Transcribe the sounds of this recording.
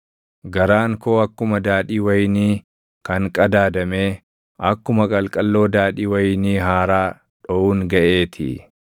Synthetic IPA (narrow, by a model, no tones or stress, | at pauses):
ɡɐɾaːŋko̞ːɐkːʊmɐd̪aːᶑiːwɐjniː | kɐŋkʼɐd̪aːd̪ɐmeː | ʔɐkːʊmɐkʼɐlkʼɐlːo̞ːd̪aːᶑiːwɐjniːɦaːɾaː | ᶑɔʔuːŋɡɐʔe̞ːt̪ʰɪ̰